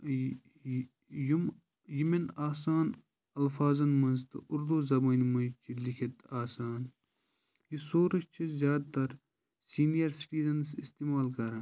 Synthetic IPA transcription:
jum | jiminaːsaːn | ɐlfaːzɐnmɐnzt̪ɨ̰uɾd̪uːzɐbɐːnmɐnt͡ʃʰilikʰet̪aːsaːn | jisoːɾɐʃt͡ʃʰizʲjaːd̪̚t̪ɐɾ | siːnijɐɾsi̥ʈiːzɐnsist̪iːmaːlkɐɾɐ̃ː

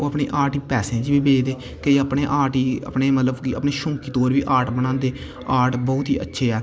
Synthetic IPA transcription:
oːəpɳḛːʔaːʈiːpɛːsẽãːd͡ʒbiːbeːd͡ʒd̪eː | keəpɳeːʔaːʈiːə̰pɳeːmət̪ləbkiə̰pɳeːʃʊ̃ːŋkiːt̪oːɾʋiːʔaːɾʈbənãːnd̪eː | aːɾʈbɔːʊt̪ɦḭːʔə̰tːʃʰeːɛː

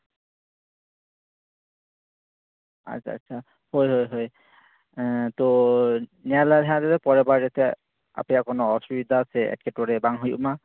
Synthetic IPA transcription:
a̰tsʰa̰a̰sʰa | hojɦojɦoj | t̪o | naladʱɛad̪et̪ɛpɔɹɛbaɹdet̪ʰɛ | a̰pɛjakɔnɔɔsubid̪ʱaːsɛɛ̰kkʰɛtɔɹɛbaŋɦojṵma

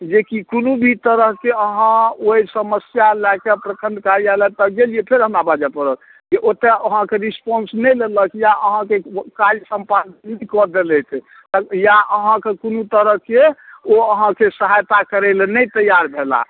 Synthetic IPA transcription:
d͡ʒekikonubʱit̪əɾəɦkeəɦãoisəməsjalakepɾəkʰə̃nd̪kaɾialat̪ɔɡeliepʰeɾɦəmɾabad͡ʒapəɾək | keʔot̪eəɦãkeɾispɔnsnɛjleləkjaʔəɦãkekajsəmpannikɔɾd̪elɛt̪ʰ | t̪ɔjaʔəɦãkekonut̪əɾəɦkeoəɦãkesəɦajt̪akəɾelenɛjt̪əjaɾbʱela̰

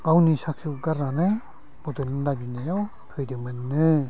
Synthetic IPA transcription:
ɡawnisak̚sɯɡaɾana | b̥ɔdɯnɯnlabinajaw | pʰɯjdɯmɯnːɯ

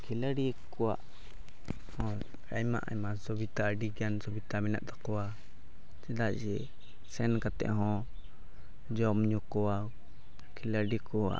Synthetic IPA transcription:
kʰilaɖikː | ɔwa̰ʔ | hɔ̃ | ɾa̰jma̰ʔa̰jmasɔbit̪aɖiɡansɔbit̪amɛna̰ʔd̪akɔwa | d͡ʒɛd̪aʔd͡ʒɛ | sɛnkat̪ɛ̰ʔɦɔ̃ | d͡ʒɔmɲɔkɔwa | kʰilaɖikɔa̰

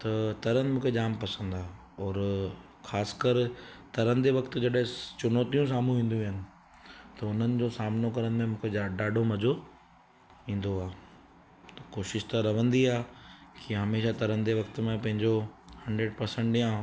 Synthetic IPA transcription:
t̪ɐt̪ɐɾənɪ̆mũːkʰed͡ʑaːmpɐsə̃nd̪aː | ɔːɾ | xaːskəɾt̪ɐɾə̃nd̪eʋɐkt̪ʊ̆d͡ʑɐɗɦɪ̃t͡ɕʊnɔːt̪ijũs̬aːm̤ũʋĩːn̆d̪ũʋiɦənɪ̆ | t̪ɐʊn̤ənɪ̆d͡ʑosaːmnokɐɾənɪmẽmũːkʰeaɖaːɖʱomɐd͡ʑo | ĩːn̆d̪oaː | t̪ɐkoːʃɪʃt̪aɾɐʋ̤ə̃nd̪iaːkiɦɐmeːʃat̪ɐɾə̃nd̪eʋɐkt̪mẽpɐ̃ɦɪ̃ɲd͡ʑohɐ̃ɳɖɾeːɖpɐɾsə̃ɳʈɖɪjã

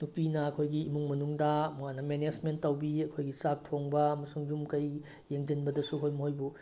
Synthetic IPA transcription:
nupinɐɐkʰojɡiːmuŋmɐnuŋdɐmuwanɐmened͡ʒmentːɐwbiɐkʰojɡisak̚tʰoŋbɐmɐsuŋjumkɐj | jeŋd͡ʒinbɐdɐsuɐkʰojmɐhojbu

